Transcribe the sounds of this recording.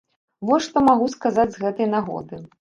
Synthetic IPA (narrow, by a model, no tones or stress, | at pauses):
vɔjʂt̪ɔmaɣuskazad͡zʲzɣɛt̪ɐjnaɣɔ̰d̪ɨ